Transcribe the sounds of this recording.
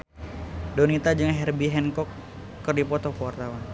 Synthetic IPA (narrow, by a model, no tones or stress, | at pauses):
donit̪ad͡ʒɨŋɦɛrbiɦɛnkɔkː | ɨrdipɔt̪ɔkəwart̪awan